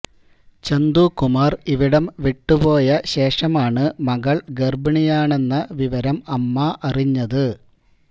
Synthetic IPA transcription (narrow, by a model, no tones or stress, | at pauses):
t͡ɕend̪ukumaːriʋiɽɐmʋiʈːupo̞ːjɐɕe̞ːʂɐmaːɳɨmɐɣɐɭɡerbɐɳijaːɳe̞nːɐʋiʋɐɾɐmɐmːɐʔɐriɲːɐðɨ